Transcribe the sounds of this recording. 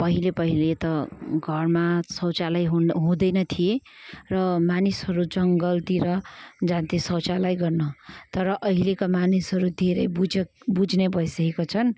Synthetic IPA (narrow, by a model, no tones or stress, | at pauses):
pʌɦilepʌɦilet̪ʌɡʱʌrmasʌwt͡salajɦɦũd̪ʌjnʌt̪ʰie | rʌmanisɦʌɾud͡zʌŋɡʌlt̪iɾʌd͡zãnt̪isʌwt͡salajɡʌrnʌt̪ʌɾʌʔʌɦilekamanisɦʌɾud̪ʱeɾʌjbud͡zbud͡znebʱʌjsʌkekot͡sʰʌn